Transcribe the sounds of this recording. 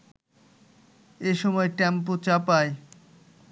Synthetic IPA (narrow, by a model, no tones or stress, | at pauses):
eʃɔmɔeʈɛmp̬ot͡ɕapae